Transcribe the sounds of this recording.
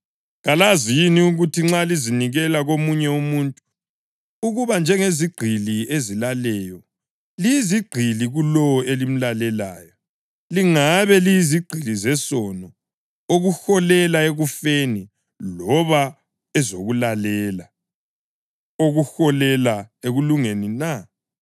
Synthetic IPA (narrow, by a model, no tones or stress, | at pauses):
ɣalazijiniuɣutʰiŋ͡ǁaliziniɣɛlaɣomuɲɛumuntʼu̥ | uɣuβand͡ʒʱɛŋeziɡ͡ǃʱiliezilalɛjɔ | lijiziɡ͡ǃʱiliɣulɔɔelim̩lalɛla̰ːjɔ | liŋaβɛlijiziɡ͡ǀʱilizɛsɔnɔ | oɣuxɔlɛlaeɣufeni | lɔβa | ɛzoɣulalɛla | oɣuxɔlɛlaeɣuluŋenina